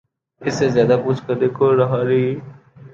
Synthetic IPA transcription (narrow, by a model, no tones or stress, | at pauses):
ɪsezjaːd̪aːpʊt͡ʃkəd̪eːkoɾəɦaːɾi